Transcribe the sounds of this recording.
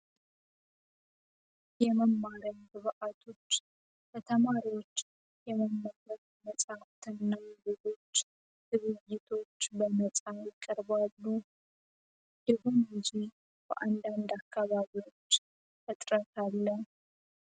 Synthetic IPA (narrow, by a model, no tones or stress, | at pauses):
jɛməmːaɾəjbɨβɨʔat̪ʰo̞t͡ʃː | bət̪ʰəmaɾiwot͡ʃː | jɛməmːaɡəf | məsʼaft̪ʰɨnːazezo̞t͡ʃː | hɨβɨjːɪt̪ʰo̞t͡ʃːbənət͡sʼajɪkʼːəɾbalːu | jɛhonɨd͡ʒi | bə̰ʔand̪and̪akːaβaβiwo̞t͡ʃː | ʔɨt̪ʼɾət̪ʰalːə